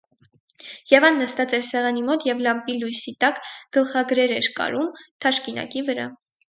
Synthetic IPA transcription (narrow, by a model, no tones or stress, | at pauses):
jɛvɑnːəst̪ɑt͡sɛɾsɛʁɑnimɔt̪jɛvlɑmpilujsit̪ɑkɡ̥əlχɑɡɾɛɾɛɾkɑ̰ɾumt̪ʰɑʃkinɑ̰kivəɾɑ̰